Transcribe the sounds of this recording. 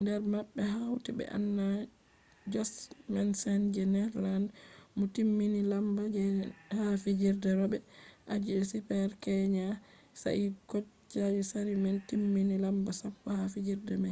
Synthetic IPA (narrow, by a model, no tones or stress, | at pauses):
ndɛɾmaɓːɛɦawtibɛ̰ʔa̰nːa | d͡ʒɔsmɛnsɛnd͡ʒɛnɛɾlandmɔtimːinilambad͡ʒɛhafid͡ʒiɾdɛɾɔbɛʔad͡ʒiɗɛsipɛɾkɛɲa | sa̰ʔikɔt͡ʃt͡ʃːad͡ʒɛsaɾimɛntimːinilambasapːɔhafid͡ʒiɾdɛmaj